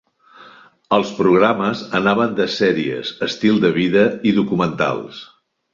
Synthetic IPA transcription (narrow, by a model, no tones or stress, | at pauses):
əlˠspɾuɣ̞ɾaməzənaβənd̪əsɛɾiə̰zəst̪ilˠd̪əβ̞iðəiðukumənt̪a̰lˠs